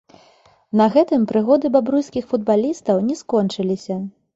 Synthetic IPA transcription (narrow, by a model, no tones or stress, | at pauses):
nɐɣɛt̪ɨmpɾɨɣɔd̪ɨbabɾujskʲixfud̪̚balʲist̪ɐwnʲɛskɔnt͡ʂɨlʲisʲɐ